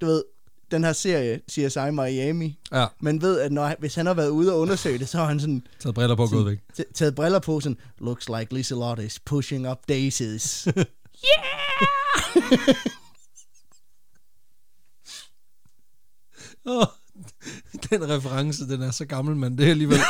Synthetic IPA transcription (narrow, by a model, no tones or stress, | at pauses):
d̥uʋe̝ð̞̰ˠ | d̥enhæɐse̝ɐ̰jəsiːɐsɑ̈ɪmɑɪɛmimenʋe̝ð̞̰ˠæd̥nɒʋe̝shænhɑ̈ʋæːɐðˠuːð̞̩ˠɐɔ̽nɐsø̰ɪd̥esɒɑhænsɒ̽nʰɛð̩ˠbʁɛlɐpʰɒɡoːðˠʋeɡ̥ʰt͡sʰɛːð̩ˠb̥ʁɛlɐpʰɔ̽sɒ̽n | loɡ̥slaɪɡ̥lisəlɒɾspʰuʃe̝ŋɒb̥̚d̥eɪseðs | æ | ɔ | d̥enʁɛfəʁɑ̈ŋsəd̥enæɐsɒ̽ɡ̥ɑ̈ml̩mænd̥e̝æliːʋel̰